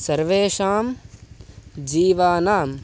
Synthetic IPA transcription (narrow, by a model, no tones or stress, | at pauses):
sɐɾʋeːʃaːm | d͡ʒiːʋaːnaːm